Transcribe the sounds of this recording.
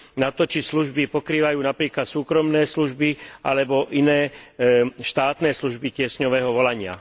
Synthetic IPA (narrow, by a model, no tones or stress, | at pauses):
nat̪ɔt͡ʃisluʒbipɔkɾiːʋajuːnapɾiːklat̪suːkɾɔmnɛːsluʒbiʔalɛbɔʔinɛː | ʃt̪aːt̪nɛːsluʒbicɪɛsɲɔʋɛːɦɔʋɔlaɲɪa̰